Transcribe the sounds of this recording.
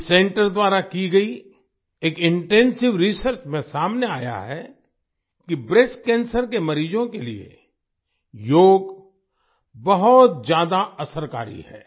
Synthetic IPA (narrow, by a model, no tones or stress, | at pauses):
sẽːɳʈəɾd̪waːɾakiɡɐi | eːkɪ̃ɳʈɛ̃ːnsɪʋɾisəɾt͡ʃmẽsaːmneaːja̰ɦɛ | kibɾeskɛ̃ːnsəɾkemɐɾiːd͡ʒõkeliḛ | joːɡ | bɐɦʊt̪̚d͡ʒjaːd̪aɐsəɾka̰ːɾḭɦɛ̰ː